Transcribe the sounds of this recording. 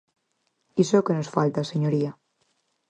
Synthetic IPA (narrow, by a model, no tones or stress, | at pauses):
isokenosfalt̪aseɲoɾia